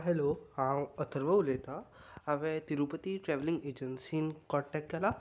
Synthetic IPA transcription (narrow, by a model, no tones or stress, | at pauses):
ɦɛlohãwət̪ʰəɾʋəwlet̪a | aʋet̪iɾupət̪iʈɾɛʋlĩŋɡeːd͡ʒənsinkɔʈɛkːala